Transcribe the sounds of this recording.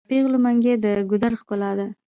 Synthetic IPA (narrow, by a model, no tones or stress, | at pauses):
peɣlumaŋɡʲed̪əɡʊd̪aɾχkʊlɑd̪a